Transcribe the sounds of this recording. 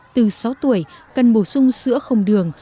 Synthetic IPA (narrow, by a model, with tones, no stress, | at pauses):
t̪ɨ˨˩sa˨˦wt̪u˧˩əjkə˨˩nɓo˧˩sʊ˧ŋ͡msɨ̰˧˥əxə˨˩wŋ͡mɗɨ˨˩əŋ